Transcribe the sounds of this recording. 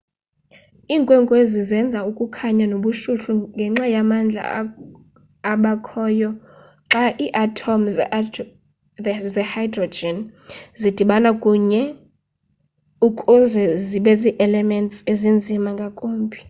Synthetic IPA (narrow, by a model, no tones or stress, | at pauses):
iːŋkʼwɛŋkʼwezizɛnd͡zʱaukʼukʰaɲanoɓuʃuɬuŋɡʱɛŋ͡ǁajamand͡ɮʱa̰ | aɓakʰɔːjɔ | ǁaʔiːʔatʰomz | zɛhajdrɔd͡ʒɛnzid̥ʱiɓanakʼuɲɛ | ukʼund͡zʱɛziɓɛziʔɛlɛmɛntsezind͡zʱimaŋɡʱakʼoːmbʱi